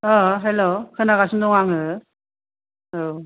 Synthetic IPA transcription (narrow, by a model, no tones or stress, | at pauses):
ʌɦelːokʰɯnakasɯmd̪ɔŋaŋɯ | o